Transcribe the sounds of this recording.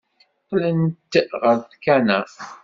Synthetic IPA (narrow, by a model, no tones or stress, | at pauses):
qːlənt̪ʁəɾθkænæ